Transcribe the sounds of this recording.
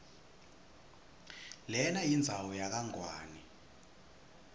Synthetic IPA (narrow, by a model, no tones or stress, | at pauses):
lɛnajind͡zʱawɔjak̬aŋwaːnɛ